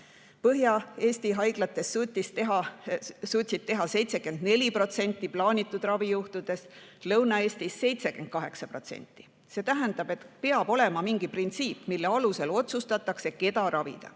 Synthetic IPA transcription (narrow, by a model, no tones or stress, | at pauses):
pɤɦjɑe̞ːsʲt̪iɦɑjɡ̥lɑt̪ːˑe̞sːut̪ʲːist̪eɦɑsuːt̪ʲsit̪̚t̪ːeɦɑse̞jt̪se̞ke̞nd̪̥ne̞lʲipro̞t̪se̞nʲt̪ˑːiplɑːnʲit̪ˑːud̪̥rɑvijuht̪ud̪̥e̞s | lɤwnɑe̞ːst̪isːe̞jt̪se̞ke̞n̥̚kɑɦe̞ksɑpro̞t̪se̞̰nʲt̪ːˑi̥ | se̞ːt̪æɦænd̪̥ɑb̥e̞t̪pe̞ɑb̥o̞le̞mɑmiŋɡ̥iprint̪siːpmilːeɑluse̞lo̞t̪sust̪ɑt̪ːˑɑkse̞ke̞t̪ɑɾɑvḭd̪̥ɑ̰